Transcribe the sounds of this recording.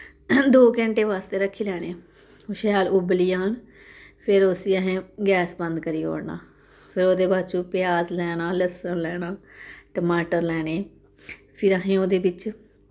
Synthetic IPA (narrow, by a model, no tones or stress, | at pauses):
d̪oːkɛ̃ːɳʈeːʋaːst̪eːɾəkʰːiːlɛːɽeː | ʊʃəjaːlʊbliːaːn | pʰɪɾosiːəɦẽːɡɛːsbə̃nd̪kəɾiːo̰ːɽna̰ː | pʰɪɾoːd̪eːbaːt͡ʃuːpɪjaːzlɛːɽaːləsənlɛːnaːʈəmaːʈəɾlɛːɽeː | pʰɪɾəɦẽːoːd̪eːbɪt͡ʃ